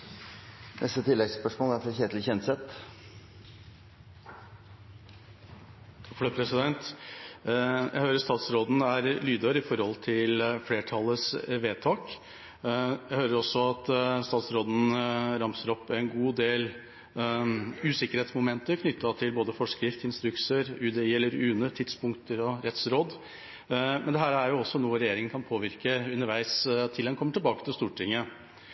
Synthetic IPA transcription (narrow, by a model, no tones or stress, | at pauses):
nɛ̰st̪ət̪ʰɪlːɛɡspœʂmoːlæɾfɾɑçeːt̪lçɛnsɛt̪ | t̪ʰɑkfɽøpʰɾɛsɪd̪ɛnt̪ | jʔæ̰ɪhøːɾəʂst̪ɑːt̪sɾoːd̪n̩æɾlyːd̪əɾɪfɔɾhɔlt̪ʰɪlfleːʈʰɑlːəsʋeːt̪ʰɑːk | jæɪhøːɾəɾɔsɔɑt̪st̪ɑːt̪sɾoːd̪n̩ɾɑmsəɾɔpːɛɪnɡuːd̪eːl | ʉːsɪkəɾheːt̪smʊmɛnt̪əɾkʰnʏt̪ːɑt̪ʰɪlboːd̪əfɔʂkɾɪft̪ɪnst̪ɾʉksəɾʉːd̪ɛɛlːəɾʉːnət̪ʰɪd̪spʰʊŋkt̪əɾɔɾɛt̪sɾoːd̪ | mɛnd̪ɛɦæːɾæɾjʊɔsːɔnuːəɾɛjeːɾɪŋənkʰɑnpʰoːʋɪɾkəʉnːəɾʋæɪst̪ʰɪlɛnkʰɔmːəʈʰɪlbɑːkə̥t̪ʰɪlst̪uːʈʰɪŋːə